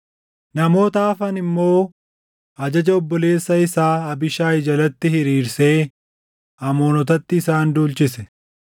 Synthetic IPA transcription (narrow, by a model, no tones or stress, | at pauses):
nɐmo̞ːt̪aːfɐnɪmːo̞ː | ɐd͡ʒɐd͡ʒɐɔbːɔle̞ːsːɐɪsaːɐbɪʃaːɪd͡ʒɐlɐt̪ːɪhɪɾiːɾse̞ː | ɐmoːnɔt̪ɐt̪ːɪːsaːnd̪uːlt͡ʃɪsɛ